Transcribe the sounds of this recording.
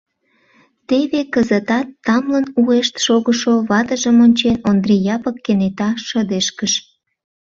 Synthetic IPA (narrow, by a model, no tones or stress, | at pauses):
t̪eβekəzət̪ɑt̪ːɑmlənueʃt̪ʃoɣəʃoβɑt̪əʒəmonʲt͡ɕenond̪rijɑpəkːenet̪ɑʃəd̪eʃkəʃ